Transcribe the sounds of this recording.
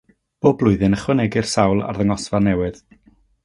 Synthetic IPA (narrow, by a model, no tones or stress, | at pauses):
b̥oːblˠʊɨðɨnəχwənɛɡɪr̥sawlˠa̰rðəŋɔsvanːɛwɨð